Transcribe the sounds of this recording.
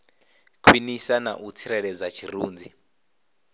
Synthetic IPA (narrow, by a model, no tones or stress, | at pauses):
kʰwinisana̰ʔut͡sʰiɾɛɺɛd͡zat͡ʃʰiruːnd͡zʱi